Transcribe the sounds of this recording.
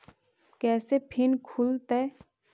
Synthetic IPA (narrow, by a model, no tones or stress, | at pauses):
kɛːsepʰɪnkʰʊlt̪ɛː